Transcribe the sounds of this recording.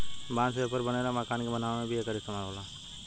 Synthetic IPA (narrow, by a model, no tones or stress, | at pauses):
bãːnsepəɾbəneɾamakaːnkebənaːʋmẽbʱiekəɾɪst̪əmaːɦoːlaː